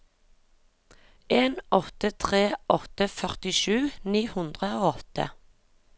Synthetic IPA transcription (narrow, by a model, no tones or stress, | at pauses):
ʔeːnɔt̪ət̪ʰʁeːʔɔt̪əfœʁt̪ɪʃʉːniːhʉnd̪ʁəoːɔt̪ə̰